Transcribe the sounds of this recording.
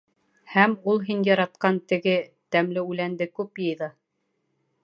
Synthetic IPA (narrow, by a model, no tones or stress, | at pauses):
hæmulˠɦinjɑɾɑt̪qɑnt̪ɘ̆ɡɘ | t̪æmlɘʉlænd̪ɘkʉpjɤ̆jðɤ